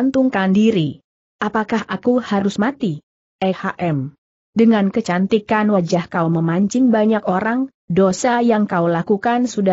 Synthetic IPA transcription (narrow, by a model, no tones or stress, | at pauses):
nt̪uŋkandiɾi | ʔapakahakuhaɾʊsmat̪i | ɛhaʔɛm | dəŋankət͡ʃant̪ikanwad͡ʒahkauməmaɲt͡ʃɪŋbaɲakoɾaŋ | dosajaŋkaulakukansuda